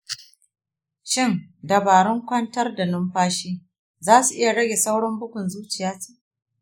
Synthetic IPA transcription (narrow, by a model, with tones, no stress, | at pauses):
ʃɪ˦˨ndɐ˨baː˨ɽɪ˦ŋkʷɐ˦ntɐ˦rda˨nʊ˦mɸaː˦ʃiː˦ | zaː˦su˨ʔɪ˦ja˨ɽɐ˦ɡʲeː˨sa˦wɽɔ˦mbʊ˦kʷʊ˨nzuː˦t͡ʃɪ˨jaː˦t͡ʃiː˦ʔ